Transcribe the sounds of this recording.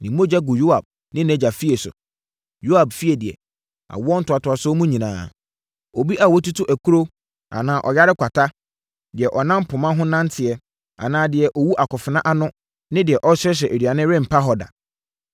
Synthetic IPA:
nɪ̃˨mo˦d͡ʑa˦ɡʊ˨jo˦a˨b̚ | nɪ̃˦nɛ̃˨d͡ʑa˨fi˦e˨sʊ̰˨ | jo˦a˨bfi˦ɛ˨dɪ˨ɛ̰˨ | a̰˨wɔ˦n̩˦tʊ˨a˨tʊ˨a˨sɔ˦mũ˦ɲĩ˨nã̰ː˨˦ | o˨bi˦ʔa˨wɔ˦tu˦tʊ˦ʔæ˨kʰu˦ɾo˦ | a̰˨nãː˨ʔɔ˨ja˦ɾɪ˦kʷʰa˨tʰa˦ | dɪ˨ɛ˨ʔɔ˨nã˦m˦pʰʊ˨mã˦ɦʊ̃˦nã˦n˦tʰɪ˨ɛ˦ | a̰˨nãː˨dɪ˨ɛ˨ʔɔ˨wu˦ʔa˨kɔ˨fɪ˨nã˦ʔa˦nʊ̃˦ | nɪ̃˦dɪ˨ɛ˨ʔɔ˦ɕɛ˦ɕ̬ɛ˨e˨ɾi˨a˨nɪ̃˦ɾɪ̃˦˨m̩˨pʰa˦ɦɔ˨da̰˨

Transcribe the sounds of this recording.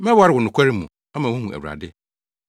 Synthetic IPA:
mɛ̃˦wa˦ɾɪ˨wʊ˨nʊ̃˨kʷʰɛ˦ɾɪ˦mũ˨ | a˦mã˨wʊ̃˦hũ˨æ̰˨wa̰˨dɪ˦

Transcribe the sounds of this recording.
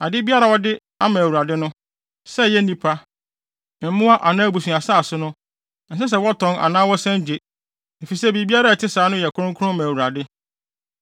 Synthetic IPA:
a˨dɪ˦bi˦a˦ɾa˨wɔ˦dɪ˦ | a˦mã˨wu˨ɾa˨dɪ˦nʊ̃˦ | sɛ˦˨jɛ˦nĩ˦pʰa˦˨ | m̩˦mʊ̃˦a˦ʔa˨nãː˦bu˨sũ˨a˨sa˦a˨sʊ˦nʊ̃˦ | n̩˨s̬ɛ˦s̬ɛ˦wɔ˦tʰɔ̃˨˦na̰˨nãː˦wɔ˦sɛ̃˦ɲ˦d͡ʑe˨ | ne˨fi˨sɛ˦bi˨bi˦a˦ɾa˦˨tʰɪ˦saː˨˦nʊ̃˦jɛ˨kʰʊ˦ʊ̃˦ŋ˦kʰʊ˦ʊ̃˦mã˨wu˨ɾa˨dɪ˦

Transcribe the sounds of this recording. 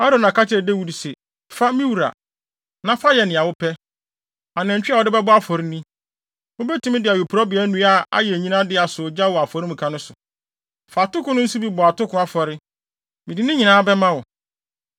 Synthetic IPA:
a˦ɾõ˨nã˨ka˦t͡ɕʰɪ˦ɾɛ˨de˦wu˨dsɛ˨ | fa˦mĩ˦wu˨ɾa̰˨ | nã˦fa˦jɛ˨nɪ̃˨a˨wʊ˦pʰɛ˦ | a˨nɛ̃˨ɲ˨t͡ɕᶣa˦˨ɔ˦dɪ˦bɛ˦bʊ˦a˦fɔ˨ɾi˦nĩ˦ | ʊ̃˦bɛ˦tʰũ˨mɪ̃˦dɪ˨a˨ju˨pʰɾɔ˦bɪ˨ɛ˦nũ˦a˨a̰˦jɛ˨ɲĩ˦nã˦dɪ˦a˨sʊ˨d͡ʑa˦wɔ˨a˨fɔ˨ɾĩ˦mũ˨kʰã˨˦nʊ̃˦sʊ˨ | fa˨tʊ˦kʊ̃˦nʊ̃˦n̩˦su˦bi˦bɔ˨a˨tʊ˦kʰʊ̃˦a˨fɔ˨ɾɪ˦ | mɪ̃˨di˨nɪ̃˦ɲĩ˨nãː˦bɛ˦mã˦wɔ˨

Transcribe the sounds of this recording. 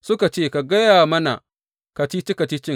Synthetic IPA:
sʊ˦ka˨t͡ʃeː˦˨ka˨ɡɐ˦jaː˨mɐ˦na̰˨ | ka˨t͡ʃi˦t͡ʃi˦ka˨t͡ʃi˦t͡ʃɪ˦ŋ

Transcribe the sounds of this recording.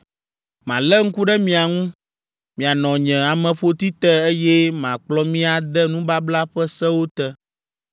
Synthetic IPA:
mã˨lɛ˦ŋ̩˦ku˦ɖɛ˦mĩ˦a˨ŋũ˦ | mĩ˨a˨nɔ̃˨ɲɛ̃˨a˨mɛ̃˨ɸo˦t̪i˦t̪ɛ˦e˦jɛ˦mã˨k͡plɔ˦mĩ˦a˨d̪ɛ˦nũ˦ba˦bla˦ɸɛ˦sɛ˦wo˦t̪ɛ˦

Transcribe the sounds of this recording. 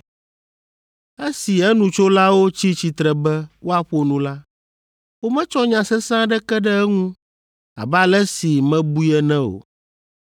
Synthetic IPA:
ɛ˦si˨ɛ˦nũ˨t͡ʃo˦la˦wo˦t͡ɕi˦t͡ɕi˨t̪ɾɛ˨bɛ˦wo˦a˨ɸo˦nũ˦la˦ | wo˦mɛ̃˦t͡ʃɔ˦ɲã˨sɛ˦sã˦ɖɛ˦kɛ˦ɖɛ˦ɛ˦ŋũ˦ | a̰˨ba˨lɛ˦si˨mɛ̃˦bu˦jɛ˦nɛ̃˦o̰˨

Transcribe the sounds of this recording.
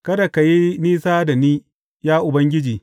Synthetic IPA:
kɐ˦da˨ka˨ji˦niː˦saː˦da˨niː˦ | jaː˦ʔʊ˨bɐ˦ŋɡʲɪ˦d͡ʒiː˨

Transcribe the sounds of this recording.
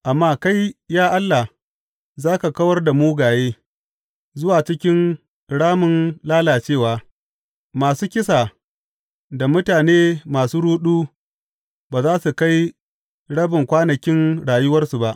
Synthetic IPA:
ʔa˨mːaː˦ka˦jjaː˦ʔa˦lːa˨h | zaː˦ka˨kɐ˦wɐ˦rda˨muː˦ɡaː˨jeː˦ | zʊ˦waː˨t͡ʃɪ˦kʲɪ˦n | ɽaː˦mʊ˨nlaː˦laː˨t͡ʃeː˦˨waː˨ | maː˨suː˦kʲɪ˦sa˨ | da˨mʊ˦taː˨neː˦maː˨suː˦ɽuː˦ɗuː˦ | baː˨zaː˦su˨ka˦j | ɽɐ˦bɪ˨ŋkʷaː˦nɐ˨kʲɪ˦nɽaː˨jʊ˦wɐ˦rsu˨ba˦ʔ

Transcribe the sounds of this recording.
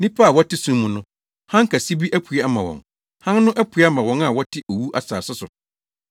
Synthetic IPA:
nĩ˦pʰa˦a˨wɔ˦tʰɪ˦sũ˦mmːũ˨nʊ̃˦ | hã˦ŋ̩˦kʰa˨si˦bi˦ʔæ˦pʰu˨˦a˦mã˨wɔ̰̃˨ŋ | hã˦n˦nʊ̃˦ʔæ˦pʰu˨˦a˦mã˨wɔ̃˦na˨wɔ˦tʰɪ˦ʔo˨wu˦ʔa˦sa̰ː˨sʊ˦sʊ˨

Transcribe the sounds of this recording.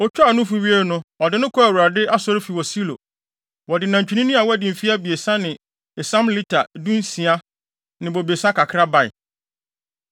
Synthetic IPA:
ɔ˦t͡ɕᶣʰʊ˦a˨nʊ̃˦fu˨˦ɥi˦e˦ɾnʊ̃˦ɔ˨dɪ˨nʊ̃˦kʰɔ˦æ˨wu˨ɾa˨dɪ˦ʔa˦sɔ˦ɾɪ˦fi˨wɔ˨si˦lo̰˨ | wɔ˨dɪ˨nã˨ɲ˨t͡ɕᶣu˨˦nĩ˦nĩ˦a˨wɔ˦æ˦dɪ˨m̩˨fi˦a˦bi˨e˨sã˦nɪ̃˨ | ɛ˨sã˦mli˦tʰa˨dũ˦n̩˦sĩ˨a˦ | nɪ̃˨bo˨be˨sã˦kʰa˨kʰɾa˦ba˨ɪ̰˨

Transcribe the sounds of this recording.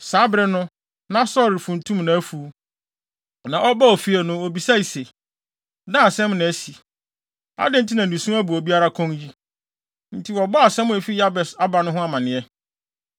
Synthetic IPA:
sa˨˦bɾɪ˦nʊ̃˦ | nã˦sɔ˦ɾɪ˨fũ˨n̩˨tʰũ˦mnã˨æ˦fu˨˦ | nã˨ʔɔ˦ba˦ɔ˨fi˦ɛ˨nʊ̃˦ɔ˨bi˨sa˦i˨se˨ | dã˦a˨sɛ̃˦mnã˨æ˨˦si˨ | a̰˦dɪ̃˦n̩˦tʰi˦nã˨ũ˨sũ˦æ˦bu˨ɔ˨bi˦a˦ɾa˦kʰɔ̃˦ŋji˦ | n̩˦tʰi˨wɔ˨bɔ˦a˨sɛ̃˦m˨e˨fi˦ja˦bɛ˨sa˦ba˨nʊ̃˦ɦʊ̃˦a˨mã˨nɪ̃˨ɛ˦

